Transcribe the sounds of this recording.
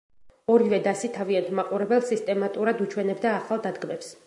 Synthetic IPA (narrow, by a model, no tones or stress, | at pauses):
ɔɾivɛd̪asit̪ʰaviant̪ʰmaqʼuɾɛbɛlˠsist̪ʼɛmat̪ʼuɾad̪ut͡ʃʰwɛnɛbd̪aːχalˠd̪ad̪ɡmɛps